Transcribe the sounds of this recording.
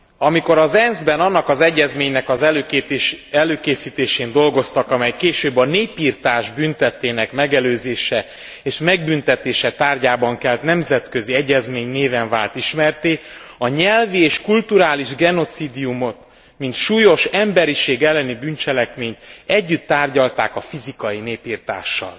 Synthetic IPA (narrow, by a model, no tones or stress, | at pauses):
ɒmiko̞ɾɒzɛnzbɛnɒnːɒkɒzɛɟːɛzmeːɲnɛkɒzɛ | ɛløːkeːsiːt̪eːʃeːnd̪o̞lɡo̞st̪ɒkɒmɛjkeːʃøːbːɒneːpiːrt̪aːʒbynt̪ɛt̪ːeːnɛkmɛɡɛløːzeːʃɛ | eːʃmɛɡbynt̪ɛt̪eːʃɛt̪aːrɟaːbɒŋkɛlt̪nɛmzɛt̪kø̞ziɛɟːɛzmeːɲneːvɛɱvaːlt̪iʃmɛrt̪eːɒɲɛlvieːʃkult̪uɾaːliʒɡɛno̞t̪siːd̪ijumo̞t̪ | mint̪ʃuːjo̞ʃɛmbɛɾiʃeːɡɛlːɛnibynt͡ʃɛlɛkmeːɲt̪ɛɟːyt̪ːaːrɟɒlt̪aːkɒfizikɒjineːpiːrt̪a̰ːʃːɒ̰l